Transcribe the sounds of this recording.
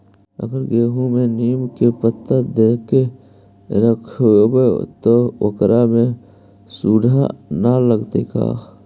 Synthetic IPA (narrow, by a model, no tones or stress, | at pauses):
ə̰ɡəɾɡeːɦũmẽniːmkepət̪ːəd̪eːke | ɾəkʰːbet̪oʋə̰kɾʔamẽ | suːɖʱa̰naləɡt̪eka̰ː